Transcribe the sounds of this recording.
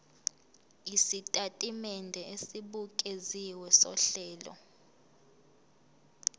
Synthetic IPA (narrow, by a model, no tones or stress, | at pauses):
isitʼatʼimɛndʱɛesiɓukʼeziwɛsɔ̰ɬɛːlɔ̰